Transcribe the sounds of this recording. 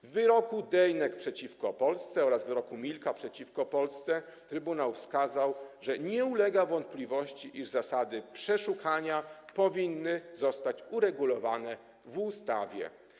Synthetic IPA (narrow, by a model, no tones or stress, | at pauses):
vːɘɾɔkud̪ɛjnɛkpʂɛt͡ɕifkɔpɔlst̪sɛɔɾazvɘɾɔkumʲilkapʂɛt͡ɕifkɔpɔlst̪sɛt̪ɾɘbunawfskazawʐɛɲɛulɛɡavɔnt̪̚plʲivɔɕt͡ɕiʔiʐzasad̪ɘpʂɛʂukʰaɲapɔvʲinːɘzɔst̪at͡ɕuɾɛɡulɔvanɛ | vust̪a̰vʲjɛ̰